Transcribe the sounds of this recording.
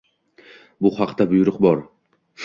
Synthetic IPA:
bʊhɑqd̪abʊjʊɾʊqbɒɾ

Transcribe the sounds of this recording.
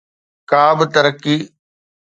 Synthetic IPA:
kaːbt̪əɾəkːiː

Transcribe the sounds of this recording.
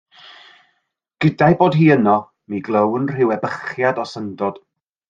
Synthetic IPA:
ɡ̥ədajboːdɦiːənɔ | miɡlˠəwnr̥ɪwɛbəχjadɔsəndɔd̥

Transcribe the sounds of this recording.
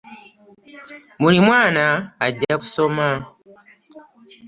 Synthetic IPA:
mulimwaːnaːɟːaku̥soma

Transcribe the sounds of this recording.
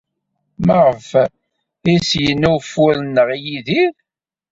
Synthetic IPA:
məʁəf | isjənːufʊlnːəʁijiðiɾ

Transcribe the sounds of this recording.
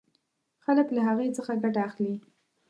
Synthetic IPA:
xaləklaɦaɣet͡səxaɡaʈaːxli

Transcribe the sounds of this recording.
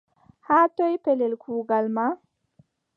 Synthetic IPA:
haːtɔjpɛlɛlkʰuːɡalma

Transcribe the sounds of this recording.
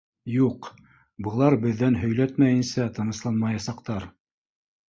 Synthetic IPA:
juq | bɤ̆lˠɑɾbɘ̆ðːænɦɵ̆jlæt̪mæjɘ̆nsæt̪ɤ̆nɤ̆ʃlˠɑnmɑjɑsɑqt̪ɑɾ

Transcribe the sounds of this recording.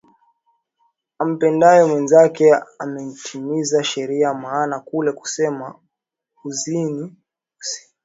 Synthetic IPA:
am̩pɛndajɔmwɛnzakɛamɛn̩tʰimizaʃɛɾiamaːnakulɛku̥sɛma | uzini | usi̥

